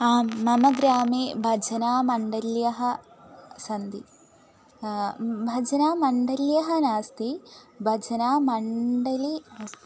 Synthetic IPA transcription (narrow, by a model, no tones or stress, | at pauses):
aːmːɐmɐɡɾaːmibʱɐd͡ʒɐnaːmɐɳɖɐljɐɦɐ̆ | sɐnd̪i | bʱɐd͡ʒɐnaːmɐɳɖɐljɐɦɐnaːst̪ibʱɐd͡ʒɐnaːmɐɳɖɐlinaːst̪i